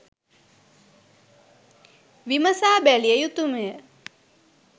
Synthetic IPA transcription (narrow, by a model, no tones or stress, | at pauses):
ʋiməsaːbælijəjut̪umejə